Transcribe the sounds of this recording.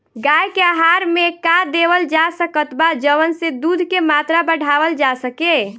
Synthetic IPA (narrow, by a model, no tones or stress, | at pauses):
ɡajkeaɦaɾmekad̪eʋəld͡ʒasəkət̪bad͡ʒəʋənsed̪ud̪ʱkemat̪ɾabəɽ̤ʱaʋəld͡ʒasəke